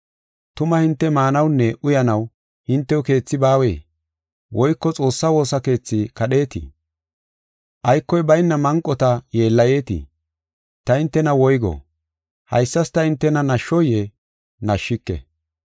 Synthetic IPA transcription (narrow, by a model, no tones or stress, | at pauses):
t̪ʊmɐhɪnt̪ːɛmaːnɐwnːɛʔʊjɐnɐw | hɪnt̪ːɛwʊke̞ːt͡sːɪbaːwḛː | wɔjkːɔt͡sʼo̞ːsːɐwo̞ːsɐke̞ːt͡sːɪkɐɗe̞ːt̪ḭ | ʔɐjkːɔjbɐjnːɐmɐŋkʼːɔt̪ɐje̞ːlːɐje̞ːt̪ḭ | t̪ɐɪnt̪ːɛnɐwɔjɡɔ̰ | hɐ̰jsːɐst̪ɐɪnt̪ːɛnɐnɐʃːɔje | nɐʃːɪkːɛ̰